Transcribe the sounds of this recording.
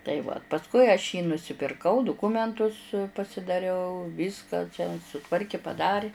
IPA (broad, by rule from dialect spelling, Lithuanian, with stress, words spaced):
tɐɪ ˈʋɐ pɐsˈkʊɪ ɐʃ jiː nʊsʲɪpʲɪrˈkɐʊ dʊˈkʊmʲɛntʊs pɐsʲɪdɐˈrʲɛʊ ˈʋʲiːskɐ t͡ʃʲɛ sʊˈtʋɐrʲkʲɪ pɐˈdɑːrʲɪ